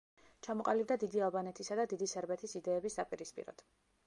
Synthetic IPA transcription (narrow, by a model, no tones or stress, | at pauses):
t͡ʃʰamɔqʼalibd̪ad̪id̪ialˠbanɛt̪ʰisad̪ad̪id̪isɛɾbɛt̪ʰisid̪ɛːbisapʼiɾispʼḭɾɔ̰d̪̥